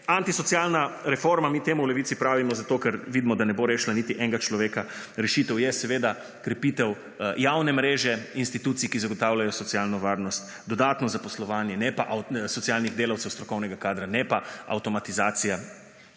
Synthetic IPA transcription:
ant̪isɔt̪sjalnaɾɛfoɾmamit̪eːmuwlɛʋit̪sipɾaːʋimɔzat̪okɛɾʋid̪mɔd̪anɛboɾeːʃlanit̪iʔɛŋɡat͡ʃlɔʋeːka | ɾɛʃit̪ɛwjɛsɛʋeːd̪a | kɾɛpit̪ɛw | jawnɛmɾeːʒɛinst̪it̪uːt̪sijkizaɡɔt̪aːwlajɔsɔt̪sialnɔʋaːɾnɔst̪ | d̪ɔd̪aːt̪nɔzapɔslɔʋaːnjɛnɛpaʔasɔt̪sijalniɣd̪eːlawt̪sɛwst̪ɾɔkɔwnɛɡakaːd̪ɾanɛpaa̰wt̪ɔmat̪izaːt̪sija

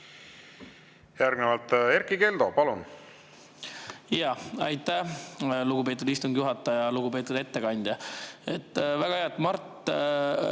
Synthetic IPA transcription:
jæɾɡ̥nevɑlt̪e̞ɾkike̞ld̪̥o̞pɑlun | jɑɑjt̪ːæluɡ̥upe̞ːt̪ud̪̥ist̪uŋɡ̥juɦɑt̪ːˑɑjɑluɡ̥upe̞ːt̪ud̪̥e̞t̪ːe̞kɑnʲd̪̥ʲjɑet̪ːˑvæɡ̥ɑheɑt̪ːˑmɑrt̪ː

